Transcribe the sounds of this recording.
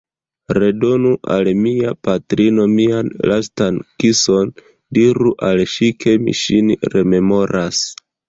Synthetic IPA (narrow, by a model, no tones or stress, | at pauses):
ɾe̞do̞nuʔalmiapatɾino̞mianlʔastankiso̞n | diɾuʔalʃikʰe̞mḭʃinɾe̞me̞mo̞ɾʔas